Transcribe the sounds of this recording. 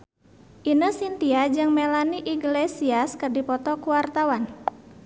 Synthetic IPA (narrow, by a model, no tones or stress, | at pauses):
ʔinəsint̪iad͡ʒɨŋmelaniʔiɡlesiaskɨrdipɔt̪ɔkuwart̪awan